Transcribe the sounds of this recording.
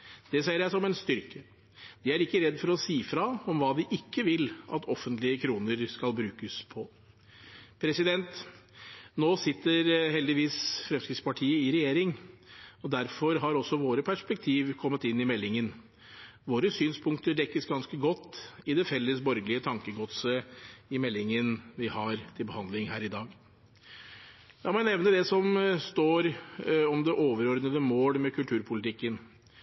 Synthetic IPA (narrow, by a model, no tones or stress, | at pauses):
d̪̥ɛseɪəɾjæɪsɔmɛnst̪ʏɾkə | d̪ɪæɾɪkːəɾɛd̪ːfɔɾɔsiːfɾɑɔmʋɑːd̪ɪʔɪkːəʋɪlʔɑt̪ʰɔfːənt̪lɪəkʰɾuːnəɾskɑlbɾʉːkəspʰɔ | pʰɾɛsɪd̪ɛnt̪ | noːsɪt̪ːəɾɦɛld̪ɪʋiːsfɾɛmskɾɪft̪spɑʈʰiːəɪɾɛjeːɾɪŋ | ɔd̪æɾfɔɾɦɑɾɔsɔʋoːɾəpʰæʂpɛk̚t̪ʰiːʋkʰɔmːət̪ɪnːɪmɛlːɪŋən | ʋoːɾəsyːnspʰʊŋk̚t̪əɖ̪ɛkːəsɡɑnskəɡɔt̪ːɪd̪ɛfɛlːəsbɔɾɡəlɪət̪ʰɑŋkəɡɔt̪səɪmɛlːɪŋənʋɪhɑɾt̪ʰɪlbəhɑnd̪lɪŋɦæːɾɪd̪ɑːɡ | jæɪmɔnɛʋnəd̪ɛsɔmst̪oːɾɔmd̪ɛʔoːʋəɾɔɾd̪əd̪əmoːlmɛkʰʉlt̪ʰʉːɾpʰʊlɪt̪ʰɪkːən